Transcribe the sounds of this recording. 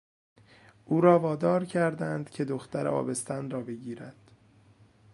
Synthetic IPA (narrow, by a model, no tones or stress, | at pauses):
ʔuːɾɒːvɒːd̪ɒːɾcʰæɾd̪ænd̪̥cʰe̞d̪oxt̪æɾḛɒ̰ːbe̞st̪ænrɒːbe̞ɟiːɾæd̪̥